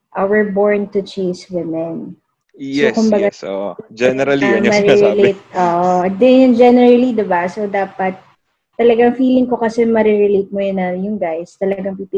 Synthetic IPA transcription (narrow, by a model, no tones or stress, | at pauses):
ʔowɪɹboɹnt̪ʊt͡ʃejswɪmɛn | sokʊmbɐɡad͡ʒɛɾɐmɐɾɾɛlet̪̚ʔoːʔod̪ɛnd͡ʒɛnɛɹɐlid̪ɪbasod̪aːpɐt̪̚ː | ɐlɐɡaŋfiːlɪŋko̞kɐsɛmɐɾɛɾɛlejt̪̚mʊjʊnɐjʊŋɡajst̪ɐlɐɡɐŋpipi